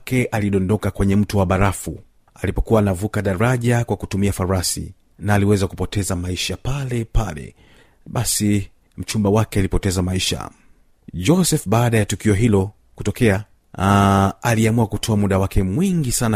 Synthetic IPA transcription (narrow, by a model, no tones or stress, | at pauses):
kɛʔaliɗɔndɔkakwɛɲɛm̩tuwaɓaɾafu | alipɔkuwaːnavukaɗaɾaʄakwakutumiafaɾuɾasḭ | naːliwɛzakupɔtɛzamaiʃapalɛpalɛ̰ | ɓasi | m̩t͡ʃumbawakɛalipɔtɛzamaiʃa̰ | d͡ʒɔsɛfɓaːɗajatukiɔɦilɔ | kutɔkɛa | aliamuakutʰɔamuɗawakʰɛmwiŋɡisan